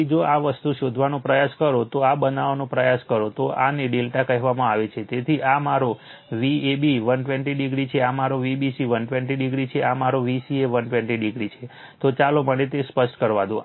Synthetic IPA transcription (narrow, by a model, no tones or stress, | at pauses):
d͡ʒoaʋəst̪uʃod̪ʱʋanũpɾəjaskəɾot̪oabənaʋnõpɾəjaskəɾot̪oʔa̰neɖelʈakəɦɛʋamãaʋet͡ʃʰet̪et̪ʰiʔamaɾo | ʋiebiʋənʈʋɛɳʈiɖiɡɾit͡ʃʰeamaɾoʋibisiʋənʈʋɛ̃ɳʈiɖiɡɾit͡ʃʰeamaɾoʋisieʋənʈʋɛ̃ɳʈiɖiɡɾit͡ʃʰe | t̪ot͡ʃaloməɽet̪espəʃʈkəɾʋad̪ũ